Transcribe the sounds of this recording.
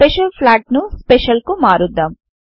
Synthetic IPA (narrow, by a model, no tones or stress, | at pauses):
peʃɐlpʰlaːʈnuspeʃɐlkumaːɾud̪ːam